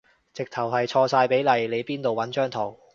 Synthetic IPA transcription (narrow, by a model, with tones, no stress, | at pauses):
t͡sɪ˨k̚t̪ʰɐ˨˩wɦɐ˨jt͡ʃʰɔː˧saː˧jpe˨˥jlɐ˨jle˨˧jpiː˥nt̪o˨wɐ˨˥nt͡ʃœː˥ŋt̪ʰo˨˩w